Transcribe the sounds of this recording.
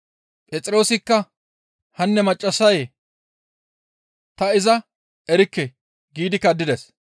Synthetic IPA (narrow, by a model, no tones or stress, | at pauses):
pʼɛt͡sʼɪɾo̞ːsɪkːɐ | hɐnːɛmɐt͡ʃʼːɐsɐje | t̪ɐɪzɐ | ɛɾɪkːɛ | ɡiːd̪ɪkːɐd̪ːɪd̪ɛs